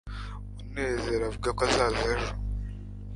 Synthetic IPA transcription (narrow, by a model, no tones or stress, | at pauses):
muneːzeɾavuɡakazazaʒo